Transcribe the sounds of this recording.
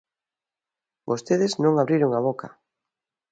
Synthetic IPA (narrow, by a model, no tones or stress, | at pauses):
bost̪eðɪznõŋaβɾiɾoŋaβ̞oka